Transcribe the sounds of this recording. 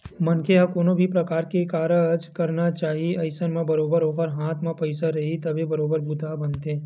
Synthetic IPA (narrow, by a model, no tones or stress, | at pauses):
mɐnkʰeɦɐkoːnõbʱipɾɐkaːɾkekaːɾəd͡ʒkɐɾnat͡ʃaːɦieɐɪsənmãbɐɾoːbəɾɦoːkəɾɦãːt̪ʰmãpɐɪsaɾɐɦit̪ɐbʱebɐɾoːbəɾbʊd̪ʱabɐnt̪ẽː